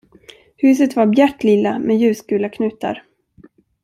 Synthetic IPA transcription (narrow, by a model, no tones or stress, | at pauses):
hʉ̟ːs̬ət̪vaɾbjæʈːlɪlːamɛjʉ̟ːskʉ̟ːlakʰnʉ̟ːt̪a̰ɾ